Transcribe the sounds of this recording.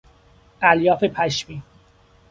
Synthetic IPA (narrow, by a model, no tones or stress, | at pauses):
ʔæljɒːfe̞pʰæʃmiː